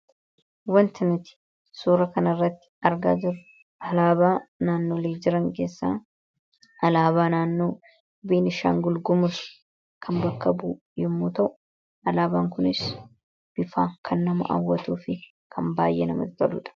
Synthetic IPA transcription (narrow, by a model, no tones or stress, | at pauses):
wɐnt̪ɪnɪt̪ɪ̥ | suːɾɐkɐnɐrːɐt̪ːɪ̥ɐɾɡa̰ːd͡ʒɪɾʊ | ʔɐlaːbaːnaːnːoːleːd͡ʒɪɾɐŋke̞ːsːa̰ː | ʔɐlaːbaːnaːnːoː | biːnɪʃa̰ːŋɡʊlɡʊmʊs | kʰɐmbɐkːɐbuː | jɛmːuːt̪ɐʔʊ | ɐlaːbaːŋkʊnɪs | b̥ɪfaːkʰɐnːɐmɐ̰ʔa̰wːɐt̪uːfɪ | kʰɐmba̰ːjːɛ̰nɐmɐ̰t̪t̪ɐlʊ̰ːᶑɐ̥